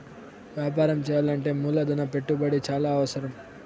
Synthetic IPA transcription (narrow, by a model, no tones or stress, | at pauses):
ʋjaːp̬aːɾɐmt͡ʃɛːjaːlɐɳʈe̞ːmuːlɐd̪unɐpe̞ʈːubɐɽit͡ʃaːlaːɐʋɐsɐɾɐm